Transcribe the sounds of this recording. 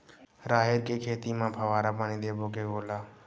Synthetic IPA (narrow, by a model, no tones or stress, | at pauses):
ɾaːɦeɾkeːkʰeːt̪iːmãːpʰəʋaːɾaːpaːniːd̪eːboːkeːɡoːlaː